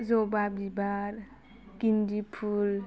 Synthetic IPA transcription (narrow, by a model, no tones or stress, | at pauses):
zobabibaɾ | kindipʰul